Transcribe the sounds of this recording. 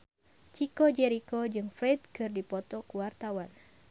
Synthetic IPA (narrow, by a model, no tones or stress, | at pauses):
t͡ʃikɔd͡ʒɛɾikɔd͡ʒɨŋfɾɛd̪̚kɨrdipɔt̪ɔkuwart̪awan